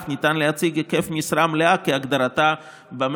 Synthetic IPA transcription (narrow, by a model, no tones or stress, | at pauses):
χnit̪anlehat͡siɡekefmisɾamleakeaɡd̪aɾat̪a | bam